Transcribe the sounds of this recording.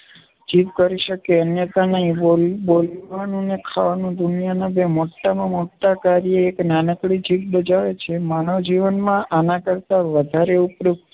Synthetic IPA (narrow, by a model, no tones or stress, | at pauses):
d͡ʒit̪kəɾiʃəkeənjət̪anəɦĩolbolʋanũnekʰaʋanũd̪unjanəbemoʈːamãmoʈːakaɾijəːknanəkɽid͡ʒit̚bəd͡ʒaʋet͡ʃʰemanoʋd͡ʒiʋənmãʔanãkəɾt̪aʋəd̪ʱaɾeupɾuk̚